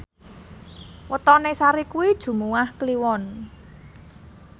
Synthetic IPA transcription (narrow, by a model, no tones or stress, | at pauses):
wət̪ɔnesaɾikuwid̥ʒ̥ṳmuwahkliwɔn